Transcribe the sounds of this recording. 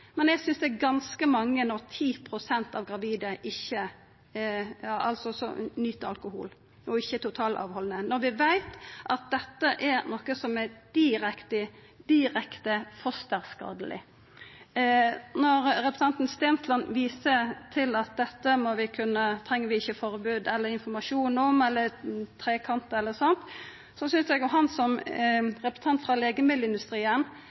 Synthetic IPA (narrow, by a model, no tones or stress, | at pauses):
mɛnæɪɡsʏnsd̪ɛːɡɑnskəmɑŋːənɔʁt̪ʰiːpʰɾʊsɛnt̪ɑːʋɡɾɑʋiːd̪əʔɪçːə | ɑʔɑlsɔsɔ̰nyt̪ːɑ̰lkʊhṵːl | ɔɪçːət̪ʰʊt̪ʰɑːlʔɑ̰ːʋhɔlnənɔɾʋɪʋæɪt̪ʔɑt̪̚d̪ɛt̪ːəʔɛɾnɔːkəsɔmɛɾd̪̥ɪɾɛkt̪ə | d̪̥ɪɾɛkt̪əfɔst̪əʁskɑ̰ːd̪əlʔɪ̰ | nɔɾɾɛpɾəst̪ɑnt̪n̩st̪eːnslɑnʋiːsət̪ʰɪlɑt̪̚d̪ɛt̪ːəmɔʋɪkʰʉnːət̪ʰɾɛŋːəʋɪɪçːəfɔɾbʉːd̪ɛlːəɾɪnfɔɾmɑʂuːnɔmɛlːəɾt̪ʰɾeːkʰɑnt̪əɛlːəɾsɑnt̪ | sɔsʏnsjɛɡjɔɦɑnsɔmɾɛpɾə̥st̪ɑnt̪fɾɑleːɡəmɪləɪnd̪ʉst̪ɾiːən